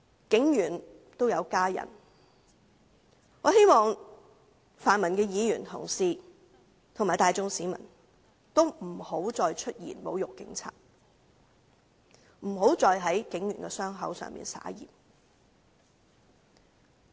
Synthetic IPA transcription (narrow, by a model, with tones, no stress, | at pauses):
kɪ˨˥ŋjyː˨˩n | t̪o˥wjɐ˨˧wkaː˥jɐ̰˨˩n | ŋɔː˨˧ɦe˥jmɔː˨ŋ | faː˨nmɐ˨˩nkɛː˧jiː˨˧jyː˨˩nt̪ʰʊ̰˨˩ŋsiː˨ | t̪ʰʊ˨˩ŋmaː˨˩jt̪aː˨jt͡sʊ˥ŋsiː˨˥mɐ̰˨˩n | t̪o˥wm̩˨˩ho˨˥wt͡sɔː˧jt͡ʃʰɵ˥t̚jḭː˨˩nmo˨˧wjʊ˨kːɪ˨˥ŋt͡sʰa̰ː˧˩t̚ | m̩˨˩ɦo˨˥wt͡sɔː˧jɦɐ˨˥jkɪ˨˥ŋjyː˨˩nkɛ˧sœː˥ŋɦɐ̰˨˥wsœ̰ː˨ŋmḭː˨nsa̰ː˨˥jḭː˨˩p̚